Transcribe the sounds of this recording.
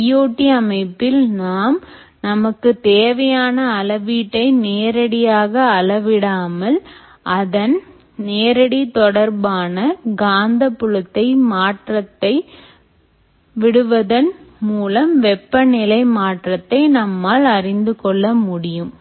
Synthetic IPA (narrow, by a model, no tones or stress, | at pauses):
ɪjoːʈːiɐmɐɪpːɪlnaːm | nɐmɐkːɯt̪eːʋɐjaːnɐːlɐʋiːʈːɐɪneːɾɐɽɪjaːɣɐːlɐʋɪɽaːmɐl | ʔɐðɐn | neːɾɐɽit̪ɔɽɐɾbaːnɐɡaːnd̪ɐpːɯɻɐt̪ːɐɪmaːʈrɐt̪ːɐɪ | ʋɪɽɯʋɐðɐnmuːlɐmʋɛpːɐnɪlɐɪmaːʈrɐt̪ːɐɪnɐmːaːlɐrɪnd̪ɯkɔɭːɐmʊɽɪjɯm